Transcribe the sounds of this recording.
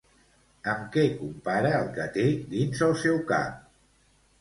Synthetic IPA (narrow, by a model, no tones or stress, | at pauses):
əmkɛkumpaɾəːlˠkət̪ed̪inzəlˠsɛwka̰p̚